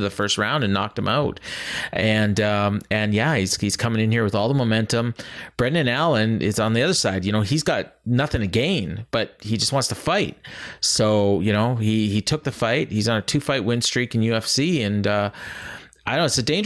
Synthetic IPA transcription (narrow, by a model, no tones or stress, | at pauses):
ðɨfɜ˞st̚ɹãʊ̃ndɨ̃nːɑ̰k̚t̚ɨ̃maʊt̚ɨ̃nʌ̃mɨ̃njæhiz̥hiz̥kʰʌmɪ̃ŋɨ̃nhiɹwɨðɔlˠðəmoʊmɛ̃ntə̃mb̥ɹɛdⁿnɨ̃nælˠɨ̃nɪ̰zn̩ðiʌðə˞saɪd̚jɨñoʊizɡɑt̚nʌθɪ̃ŋɨɡẽɪ̃nb̥ʌt̚hid͡ʒʌst̚wɑ̃ntstʰəfaɪt̚soʊjɨñoʊiitʰʊk̚ðɨfaɪt̚hizn̩ɨtʰʉfaɪʔ̚wɪ̃n̥stɹ̥ikn̩jʉɛfsiɨ̃nʌ | aɪɾõɨsɨdẽɪ̃nd͡ʒ